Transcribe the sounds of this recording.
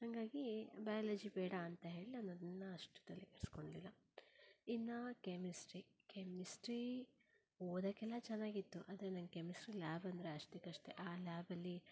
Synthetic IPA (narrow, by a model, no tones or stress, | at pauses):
hɐŋɡaːɡibɐjalɐd͡ʒibɛːɽɐːnt̪ɐɦe̞ːɭiɐnɐd̪inːɐɐʂʈu̥t̪ɐlːikeɽsko̞ɳɖlilːɐ | inːɐkemisʈɾi | kemisʈɾi | oːd̪ɐkɛlːɐt͡ʃɛnːaːɡit̪ːuʔɐ̰ːd̪ɐɾenɐŋɡekemisʈɾilaːbɐnd̪ɐɾeɐʂʈekɐʂʈeʔaːlaːbɐlːi